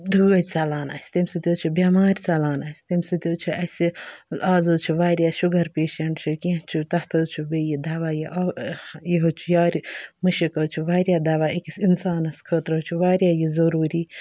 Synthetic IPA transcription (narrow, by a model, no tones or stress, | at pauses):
d̪ʱuːɡɐt̪ʲsɐlaːna̰ːsʲt̪imʲsɨt̪ʲjoːt͡ʃʰubʲaːmaːɾʲsɐlaːnaːsʲt̪imsɨt̪ʲjoːt͡ʃʰuʔɐsʲiaːzot͡ʃʰuʋaːɾʲjaːʃuɡɐɾpeːʃɐɳʈt͡ʃʰukʲẽt͡ʃʰut̪ɐht̪ʰɐt͡ʃʰubejid̪aːʋaːjiʔajiɦot͡ʃʰujaːɾmɐʃikɐt͡ʃʰuʋaːɾʲjaːd̪aːʋaːikisinsaːnɐskʰəːt̪ɾɐt͡ʃʰuʋaːɾʲjaːjizɐɾuːɾiː